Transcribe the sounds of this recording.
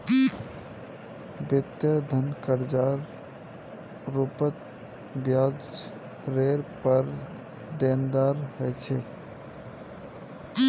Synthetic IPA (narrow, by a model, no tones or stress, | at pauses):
bɪt̪jəd̪ʱənkəɾd͡ʒaɾ | ɾupət̪̚ | bjad͡ʒ | ɾeɾpəɾ | d̪end̪aɾhɛt͡ʃʰe